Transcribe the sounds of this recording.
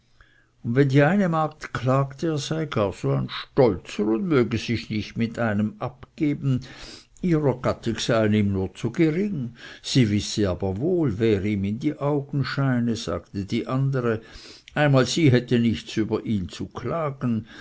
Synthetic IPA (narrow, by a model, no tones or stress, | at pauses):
ʊndvɛndiːaɪnəmaːk̚tkʰlaːktəeːɐz̥aɪɡaːɐz̥oːaɪnʃtɔlt͡səʁʊndmøːɡəzɪçnɪçtmɪtaɪnəmʔapɡ̥eːbn̩ | iːʁɐɡ̥atʰɪksaɪəniːmnuːɐt͡suɡeʁɪŋz̥iːvɪsəaːbɐvoːlvɛːʁiːmɪndiːʔaʊɡn̩ʃaɪnəz̥a̰ːɡtədiːʔandəʁə | ʔaɪnmaːlz̥iːɦɛtənɪçt͡syːbɐʔiːnt͡sukʰlaːɡn̩